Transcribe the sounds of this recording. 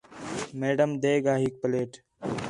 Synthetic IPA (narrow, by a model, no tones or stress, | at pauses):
meːɖəmd̪eːɡaːɦiːk̚pəleːʈ